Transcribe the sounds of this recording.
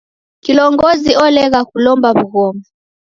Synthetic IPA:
kilɔŋɡɔziɔlɛɣakulɔmbaβuɣɔmbɔ

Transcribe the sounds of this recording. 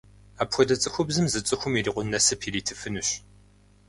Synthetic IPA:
aːpxʷɔdɐt͡sʼɨxʷʊbzɨmzɨt͡sʼɨxʷʊmiriːqʷʊnnɐsɐpʰiːriːtʰɨfɨnɨɕ

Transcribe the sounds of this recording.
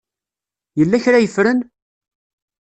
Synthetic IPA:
jəlːæçɾajəfɾən

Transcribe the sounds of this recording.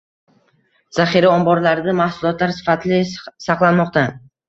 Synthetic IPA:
z̥aχiɾaɒmbɒɾlaɾɪd̪amahsʊlˠɒt̪laɾsɪ̥fat̪ʰɪlɪsaqlˠanmɒq̚t̪a

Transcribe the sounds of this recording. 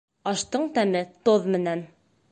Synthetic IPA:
ɑʃt̪ɤɴt̪æmɘt̪oðmɘ̆næn

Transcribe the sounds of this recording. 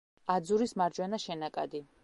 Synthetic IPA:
ad̪zuɾismaɾd͡ʒwɛnaʃɛnakʼad̪i

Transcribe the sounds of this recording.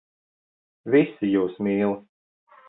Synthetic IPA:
visijuːsmʲiːlˠi

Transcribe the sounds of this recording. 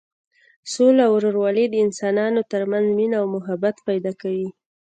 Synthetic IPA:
solaawɾoɾwɑled̪əɪnsɑnɑnot̪əɾmanzminaːwmʊɦabat̪pajd̪ɑkawi

